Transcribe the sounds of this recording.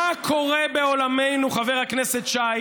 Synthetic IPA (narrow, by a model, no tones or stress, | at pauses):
akʰo̞ʁebeo̞lamejnuχaveʁhakneset̪ʃa